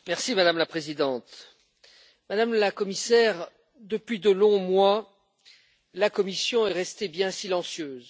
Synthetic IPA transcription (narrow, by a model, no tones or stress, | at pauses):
mɛʁsimad̪amlapχezid̪ɑ̃t̪ | mad̪amlakɔmisɛʁ | d̪əpɥid̪əlɔ̃mwa | lakɔmisjɔ̃ɛʁɛst̪ebjɛ̃silɑ̃sjøːz